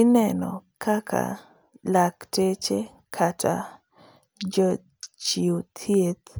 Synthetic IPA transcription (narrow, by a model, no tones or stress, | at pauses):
ɪnɛnɔ̰kʰakʰa̰ | laktet͡ʃe | kʰata | d͡ʒɔ | t͡ʃiut̪ʰjet̪